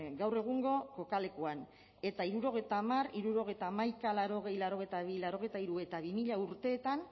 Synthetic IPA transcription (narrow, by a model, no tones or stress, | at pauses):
ɡawre̞ɣ̞uŋɡo̞ko̞kale̞kuan | e̞t̪aiɾuɾo̞ɣ̞e̞jt̪amariɾuɾo̞ɣ̞e̞jt̪aːmajkalaɾo̞ɣe̞jlaɾo̞ɣ̞ejt̪aβilaɾo̞ɣ̞ejt̪aiɾue̞t̪aβimiʎauɾt̪e̞ːt̪an